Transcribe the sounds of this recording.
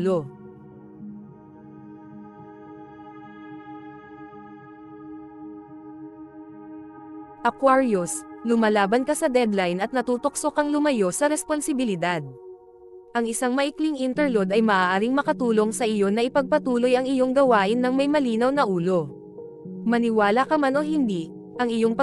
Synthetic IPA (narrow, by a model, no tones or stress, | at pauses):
lo̞ | ʔɐkwaɹjoslʊmalaːbɐnkɐsɐd̪ɛd̪lajnɐt̪nɐt̪uːt̪ok̚sokɐŋlʊmɐjo̞sɐɾɛsponsɪbɪlɪd̪ad̪̚ | ʔɐŋɪsaŋmɐʔɪkliŋʔint̪ɛɹlod̪ɐjmɐʔaːʔaːɾiŋmɐkɐt̪uːlo̞ŋsɐʔɪjo̞nɐʔɪpɐɡ̚pɐt̪uːlo̞jɐŋɪjo̞ŋɡɐwaːʔɪnːɐŋmɐjmɐliːnɐwnɐʔuːlo̞ | mɐnɪwaːlɐkɐmano̞ɦɪnd̪i | ʔɐŋɪjo̞ŋpɐ